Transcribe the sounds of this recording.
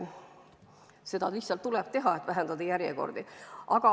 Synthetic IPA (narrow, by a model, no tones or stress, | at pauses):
se̞d̪̥ɑʋisɑlt̪ːulep̚t̪e̞ɦɑet̪væɦænd̪ɑd̪ɑjæɾjeko̞̰rd̪iʔɑɡ̥ɑ